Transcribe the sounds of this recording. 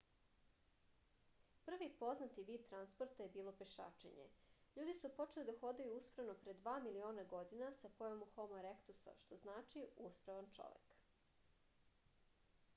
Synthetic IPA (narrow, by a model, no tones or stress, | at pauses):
pr̩ʋipo̞znat̪iʋiːd̪̚t̪ɾanspoɾt̪ajebiːlˠo̞peʃa̰ːt͡ʃḛɲḛʎuːd̪isupo̞t͡ʃe̞lid̪axo̞d̪ajuuspɾaʋno̞pɾe̞d̪ʋaːmilio̞ːnaɡo̞d̪inasakojomuxo̞moɾekt̪usa̰ʃt̪o̞znaːt͡ʃiuspɾaʋant͡ʃo̞̰ʋḛk